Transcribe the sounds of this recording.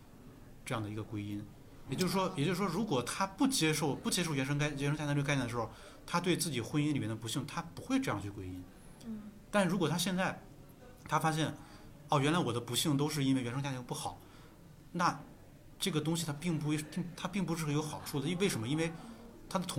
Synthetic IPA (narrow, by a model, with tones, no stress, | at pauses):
ʈ͡ʂɤ˥˧jɑ˥˩ŋd̪ə˩i˧˥ɡə˧kwe˥ɪi˥n | jɛ˨˩t͡ɕjʂɻ̩˧ʂwɔ˥jɛ˨˩t͡ɕjo˥˧ʂɻ̩˧˩wɔ˥ɻu˧˥kwɔ˨˩t̪ʰa˥pu˥˩t͡ɕjɛ˥ʂo˥˩ʊpu˥˩t͡ɕjɛ˥ʂ̬o˥˩ʊɥɛ˧˥nʂ̬ɤ˥ŋkjɛ˧˥ʂə˥t͡ɕa˥˧˥n˥˩ə˩ʂɻxo˥˧ʊ | t̪ʰa˥t̪we˥˧ɪt͡sɹ̩˥˩t͡ɕi˨˩xwə˥ni˥nli˨˩mɛ˧˥nd̪pu˧˥ɕi˥˩ŋt̪ʰa˥pu˧˥xwe˥˧ɪʈ͡ʂɤ˥˧jɑ˥˧ŋt͡ɕʰy˥˩kwe˥ɪi˥n | t̪a˥˧ʂ̩˥˩ɻu˧˥kwɔ˨˩t̪ʰa˥ɕjɛ˥˧nt͡sa˥˩ɪ | t̪ʰa˥fa˥ɕ̬jɛ˥˩n | ɔ˥˩ɥɛ˥nla˧˥ɪwɔ˨˩d̪ə˦pu˧˥ɕi˥˩ŋt̪o˥ʊʂɻ̩˥˧i˥nwe˥˩ɪɥɛ˧˥nʂɤ˥ŋt͡ɕja˥˧˩pu˥˩xɑ˨˩˦ | na˥˧ | ʈ͡ʂɤ˥˩ɡə˩t̪ʊ˥ŋɕi˨˩t̪ʰa˥pi˥˩ŋpu˧˥˩ŋt̪ʰa˥pi˥˩ŋp̬u˧˥ʂɻ̩˥˩xjo˧˥ʊxɑ˨˩ʊʈ͡ʂʰu˥˩ə˨i˥˧˥we˥˩ɪʂə˧˥nmə˧i˥nwe˥˧ɪt̪ʰa˥d̪ə˨t̪ʰʊ˧˥